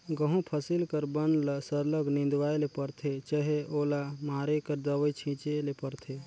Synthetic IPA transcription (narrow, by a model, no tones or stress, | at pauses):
ɡəɦũpʰəsilkəɾbənləsəɾləɡnĩnd̪ʋaːelepəɾt̪ʰet͡ʃəɦeoːlamaːɾekəɾd̪əwəit͡ʃʰĩt͡ʃelepəɾt̪ʰe